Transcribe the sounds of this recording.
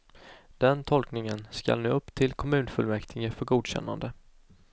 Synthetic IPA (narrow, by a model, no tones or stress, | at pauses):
d̪̥ɛnt̪ʰɔlknɪŋənska̰lnʉ̟ːɵpːt̪ʰɪlkʰɔmʉ̟ːnfɵlmɛkt̪ʰɪŋəfœɾɡuːd̪ɕɛ̰nːa̰nd̪ə